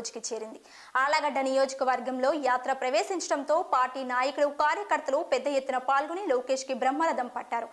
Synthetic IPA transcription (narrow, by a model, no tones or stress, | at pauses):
d͡ʒɐ̥kit͡ʃe̞ːɾind̪i | aːlɐɡɐɖːɐnijo̞ːd͡ʒɐkɐʋɐɾɡɐmlo̞ːjaːt̪ɾɐpɾɐʋeːsiɲt͡ʃɐɽɐnt̪o̞ːpaːɾʈiːnaːjɐkuɽukaːɾjɐkɐɾt̪ɐlupɛd̪ːɐjet̪ːunɐpaːlɡuniloːke̞ːʂkibɾɐmːɐɾɐd̪ɐmpɐʈːaːɾu